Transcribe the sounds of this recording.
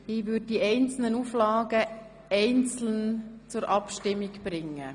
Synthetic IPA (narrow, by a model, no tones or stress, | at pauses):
ivʏd̚diɛɪnt͡sl̩nənuflɑːɡə | ɛɪnt͡sl̩nt͡sʊɾʔɑpʃtɪmːiɡb̥ɾɪŋːə